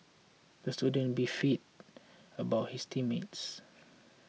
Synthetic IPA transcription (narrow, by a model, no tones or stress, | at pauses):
d̥̪əstudə̃nbifit̚əbaʊt̚histʰimets